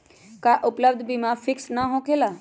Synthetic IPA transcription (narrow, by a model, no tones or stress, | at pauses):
kaʔʊpləb̚d̪ʱbʱimãfʰɪksnaɦõkʰela